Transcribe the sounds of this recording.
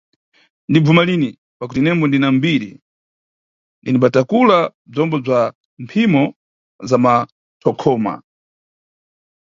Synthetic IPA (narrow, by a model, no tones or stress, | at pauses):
ndib͡vumalini | pak̬utinɛmbɔndinambiɾḭ | ndinimbatakulab͡ʐɔmbɔb͡ʐa | mpʰimɔ | zama | tʰɔkʰɔːma̰